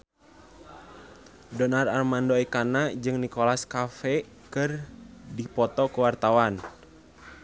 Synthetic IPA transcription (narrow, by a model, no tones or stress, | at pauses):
dɔnararmandoikanad͡ʒɨŋnikɔlaskafɛ | kɨrdipɔt̪ɔkuwart̪awan